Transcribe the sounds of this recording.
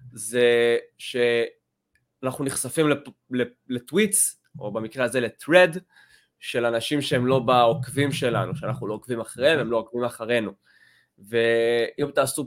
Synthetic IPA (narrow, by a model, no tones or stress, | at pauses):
zeʃe̞ | anaχnuniχsafimlele | letwits | o̞bamikʁeaze̞le̞tʁed | ʃe̞lanaʃimʃeemlo̞baokvimʃe̞lanuʃeanaχnulo̞okvimaχʁevemlo̞okvimaχaʁe̞nu | ve̞ʔimt̪aːsu